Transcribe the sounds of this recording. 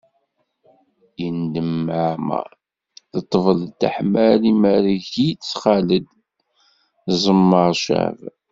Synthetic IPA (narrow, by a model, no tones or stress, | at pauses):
jənd̪əmːʕamæ̰ | θət̪ˤːəvəlt̪a̰ħmælimæɾiʝit͡sːχaləd̪ | zˤəmːəɾˤʃæ̰v